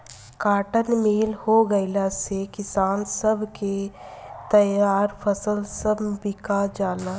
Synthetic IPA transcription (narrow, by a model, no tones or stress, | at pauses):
kaːʈənmiːlhoɡəɪlasekɪsaːnsəbʱket̪ɐjaːɾfʰɐsəlsəbbɪkad͡ʒaːna